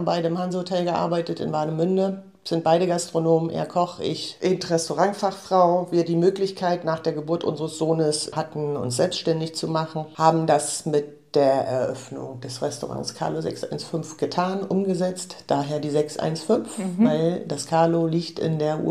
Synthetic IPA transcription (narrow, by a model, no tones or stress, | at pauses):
m̩baɪɾəɪmhanzəotʰɛlɡəʔa̰ɐbaɪtətɪ̰nvaɐnəmʏndə | z̥ɪnt̚b̥aɪɾəɡastʁ̥onoːmənʔḛːɐkʰɔχʔɪ̰çʔɪntʁɛstoʁaŋfaχfʁ̥aʊviːɐdiːmøːklɪçkʰaɪtnaːχd̥eːɐɡəbuɐtʔʊ̰nzəʁəsz̥oːnəshatn̩ʊ̰nsz̥ɛlpstʃtɛndɪçt͡sumaχn̩haːbm̩dasmɪt̚ | d̥eːɐʔɛ̰ɐʔœ̰fnʊ̰ŋd̥ɛsʁɛstoʁa̰ŋskʰa̰ːlozɛ̰ksʔa̰ɪnsfʏnfɡ̥ətʰaːnʔʊmɡəzɛt͡std̥aːɦeːɐdiːzɛksʔa̰ɪnsfʏnfvaɪld̥askʰaːloliːçtɪ̰ndeːɐʔṵ